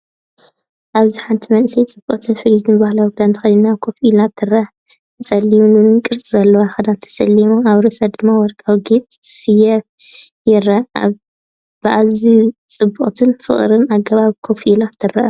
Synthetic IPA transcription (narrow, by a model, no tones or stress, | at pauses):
ʔaβziħant̪ʰimɐnʔsɐjt͡sʼɨbːuχʼt̪ʰɨnfɨlit̪ʰɨnbahlawkd̪ant̪ʰɨxɐlinːakʰo̞filat̪ʰːɨrɐħ | ɨt͡sʼɐlːiunɨɨkʼɨɾsʼizɐlːɐwaxɐd̪ant̪ʰɐ̥sɐlːimoaβɾɨsad̪ɨmːawɔɾkʼawɡet͡sʼsɨjɛjɪɾɐa | b̥ɨʔazit͡sʼɨbːuχʼt̪ʰɨnfɨ̰χʼɾɨnaɡːɐβaβkʰofilat̪ʰɨrɐʔɐ